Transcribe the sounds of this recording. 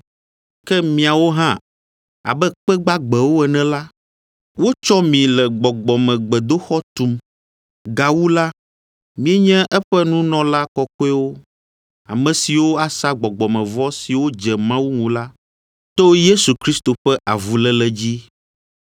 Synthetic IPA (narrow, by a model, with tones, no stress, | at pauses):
kɛ˦mĩ˨a˨wo˦ɦã˦ | a̰˨bɛ˦k͡pɛ˦ɡ͡ba˦ɡ͡bɛ˨wo˦ɛ˨nɛ̃˦la˦ | wo˦t͡ʃɔ˦mĩ˨lɛ˨ɡ͡bɔ˨ɡ͡bɔ˨mɛ̃˨ɡ͡bɛ˨d̪o˦xɔ˦t̪u˨m | ɡa˨wu˦la˦ | mĩ˦ɛ˦ɲɛ̃˦ʔɛ˦ɸɛ˦nũ˦nɔ̃˨la˦kɔ˦kɔ˦ɛ˦wo˦ | a̰˨mɛ̃˨si˨wo˦a˨sa˦ɡ͡bɔ˨ɡ͡bɔ˨mɛ̃˨vɔ˦si˨wo˦d͡ʒɛ˨mã˦wu˦ŋũ˨la˦ | t̪o˦je˦su˨kɾi˦st̪o˨ɸɛ˦ʔa˨vu˨lɛ˦lɛ˨d͡ʑi˦